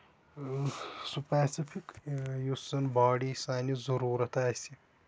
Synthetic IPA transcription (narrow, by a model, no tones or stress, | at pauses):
supaːsifʰikjussɐnbaːɽiːsaːnizɐɾuːɾɐt̪aːsi